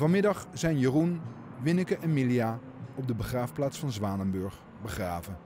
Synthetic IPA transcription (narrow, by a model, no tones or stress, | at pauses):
vɑnmɪdɑχz̥ɛjnjərunʋɪnəkəʔɛnmilija | ɔb̚dəbəχraːfplaːtsfɑnzʋaːnəmbɵɹχ | bəχraːvə